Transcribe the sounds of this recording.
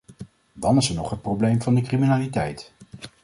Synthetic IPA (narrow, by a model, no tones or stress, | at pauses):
dɑnɪsɛɹnɔχɦət̚prowblejmvɑndəkriminaːlitɛjt